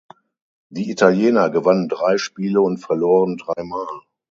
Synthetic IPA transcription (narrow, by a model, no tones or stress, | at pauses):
d̥iːitaljeːnɐɡəvanəndʁaɪʃpiːləʊntfɛɐloːʁəndʁaɪmaːl